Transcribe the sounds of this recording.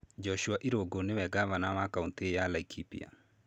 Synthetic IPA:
d͡ʒɔʃuaʔiɾoɡonɪwɛɡaβanamakauntejalaikʰipḭa̰

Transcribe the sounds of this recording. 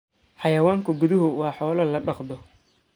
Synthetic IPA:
ħɑjɐwaːŋkʰʊɡʊðɪɦʊwɑːħɔːlɐlɐɖɑqd̪ɔ

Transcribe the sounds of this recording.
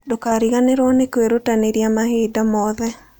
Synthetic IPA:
dokaɾiɣaneɾɔnekweɾotaneɾjamahedamɔðɛ

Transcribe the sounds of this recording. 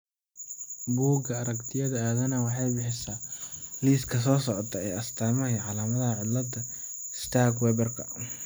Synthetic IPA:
buːɡɐɐɾɐkt̪ʰɪjɐðɐaːðɐnɐwɑħɑjbɪħɪsaliːskʰɐs̬ɔːsɔʕɔt̪ʰɐɛjɐst̪ʰaːmɐjʕɑlaːmɐðɐhɐʕɪdlɐd̪ɐ | st̪ʰaɡwɛbɛrkʰɐ̰

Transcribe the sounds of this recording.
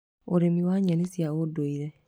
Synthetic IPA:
oɾemiwaɲɛnisjawodoiɾɛ

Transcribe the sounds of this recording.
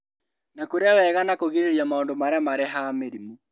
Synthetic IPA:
nakoɾeawɛɣanakoɣiɾeɾjamaondomaɾamaɾɛɦameɾimu

